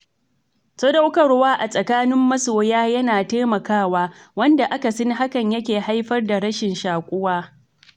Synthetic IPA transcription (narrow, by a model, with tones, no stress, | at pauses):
sɐ˦dɐ˦wkɐ˨ɽwaː˦ʔa˨sʼɐ˨kaː˦nɪ˦mːɐ˦soː˨jaː˦jɐ˦naː˨teː˦mɐ˨kaː˦waː˦wɐ˦nda˨ʔa˦ka˨sɐ˦ŋɦa˦kɐ˨ɲjɐ˦kʲeː˨ha˦jɸɐ˦rda˨ɾɐ˦ʃɪ˨nʃaː˨kʷʼʊ˦waː˦